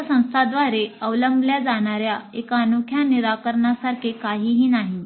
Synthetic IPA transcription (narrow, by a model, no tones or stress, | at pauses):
sə̃w̃st̪ʰad̪ʋaɾeəʋləmbljad͡zaɽ̃aɾjaekaːnukʰjaniɾakəɾɳasaɾkʰekaɦiːɦiːnaɦi